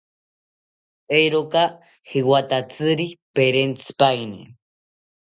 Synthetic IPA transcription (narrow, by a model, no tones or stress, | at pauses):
ejɾoka | hiwat̪at͡sɨɾipeɾent͡sɨ̥pajnḭ